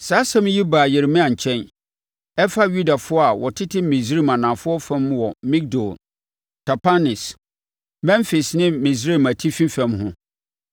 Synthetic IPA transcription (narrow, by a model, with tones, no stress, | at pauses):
saː˨˦sã˦m˦ji˦baː˨jɪ˨ɾmɪ̃˦ã˨ɲ̩˨t͡ɕʰɛ̃˦n | ɛ˦fa˦ɥu˦da˨fʊ˦ɔ˦a˨wɔ˨tʰɪ˦tʰɪ˦mĩ˨sɾi˦˨mã˨nã˨fʊ˦ɔ˦fã˦mwɔ˨mĩ˦k̚dɔ˨l | tʰa˨pʰa˦nɪ˨s | mɛ̃˦nfi˨snɪ̃˦mĩ˨sɾi˦˨mæ˨tʰi˦fĩ˦fã˦mɦʊ̃˦